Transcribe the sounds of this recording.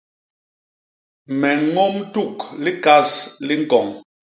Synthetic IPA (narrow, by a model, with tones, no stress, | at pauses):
mɛ˨˦ŋo˦mtu˦˨kli˦ka˦sli˦ŋ˨kɔ˨ŋ